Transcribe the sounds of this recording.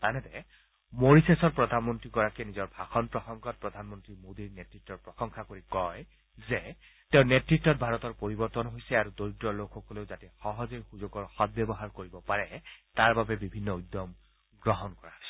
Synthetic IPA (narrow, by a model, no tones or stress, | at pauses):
anɛtɛ | moɹisesɔɹpɹɔd̪ʱanmɔntɹiɡɔɹakɛnizɔɹbʱaxɔnpɹɔxɔŋkɔt̚pɹɔd̪ʱanmɔntɹimodiɹnetɹitːɔɹpɹɔxɔŋxʰakoɹikɔj | zɛ | teʊ̃netɹitːɔt̚bʱaɹɔtɔɹpoɹibɔɹtɔnɦojsɛaɹudoɹitɹɔlokʰːɔkɔleʊzatɛxɔɦɔzojxuzoɡɔɹxɔt̚bɛbɔɦaɹkoɹibɔpaɹɛtaɹbabɛbibʱinːɔud̪ɔm | ɡɹɔɦɔnkɔɹaɔsɛ